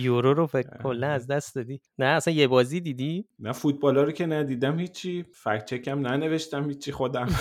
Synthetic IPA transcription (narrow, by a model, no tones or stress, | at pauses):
joɾoɾofekkʰːolːænæzd̪æst̪d̪ɒːd̪i | næːsænjebɒːziːd̪iːd̪iːmæfut̪̚bɒːlɒːɾicʲʰenæd̪iːd̪æmhiːt͡ʃʰːifækt͡ʃʰecʰæmnæne̞veʃt̪æmhiːt͡ʃt͡ʃʰːixod̪æm